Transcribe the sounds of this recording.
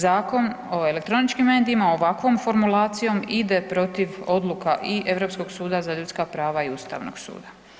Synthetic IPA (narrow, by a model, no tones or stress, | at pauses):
zaːko̞n | oe̞le̞k̚t̪ɾo̞nit͡ʃkimːe̞ːd̪iimaoʋakʋo̞mfo̞ɾmulaːt̪sijo̞mid̪e̞pɾo̞t̪iʋo̞d̪lˠukaʔiʔe̞ʋɾo̞psko̞ɡsuːd̪azaʎut̪skapɾaːʋaiust̪a̰ʋno̰ɡ̥sṵːd̪a